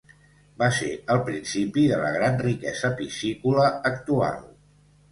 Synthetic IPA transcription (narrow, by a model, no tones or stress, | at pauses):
baseəlˠpɾinsipiðələ̰ɣ̞ɾanrikɛzəpisikuləːkt̪ua̰lˠ